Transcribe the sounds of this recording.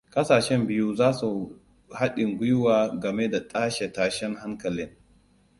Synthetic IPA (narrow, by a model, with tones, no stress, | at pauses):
kʼɐ˦saː˨ʃɛ˦mbɪ˦ju˦zaː˦su˨ | ha˦ɗɪ˨ŋɡʷʊ˦jʊ˦waː˨ɡɐ˨me˦da˨tʼaː˦ʃe˨taː˨ʃɛ˦ŋɦa˦ŋkɐ˨lɪ˦ŋ